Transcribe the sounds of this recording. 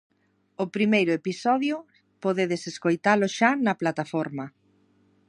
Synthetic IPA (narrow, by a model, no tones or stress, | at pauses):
ʊpɾimejɾʊepisɔðjʊ | poðeðeseskojt̪alʊʃanɐplat̪afɔɾmɐ